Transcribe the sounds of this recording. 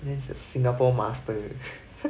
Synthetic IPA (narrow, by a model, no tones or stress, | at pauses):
nẽnsesĩŋɡapoːmasɨ̥t̪ojɯ